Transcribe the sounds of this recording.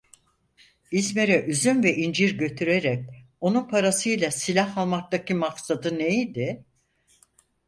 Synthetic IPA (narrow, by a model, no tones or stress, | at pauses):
izme̞ɾɛʔyzynvɛʔind͡ʒiɾɟø̞t̪ʰyɾeɾɛc̚ | o̞nunpʰaɾasɯjlʲˠasilʲaɦalˠmak̚t̪acʰimaksad̪ɯnejid̪ɪ